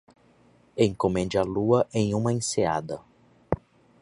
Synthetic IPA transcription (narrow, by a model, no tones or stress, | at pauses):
ẽj̃komẽnd͡ʒɪɐluɐʔẽj̃ũmɐẽsea̰d̪ɐ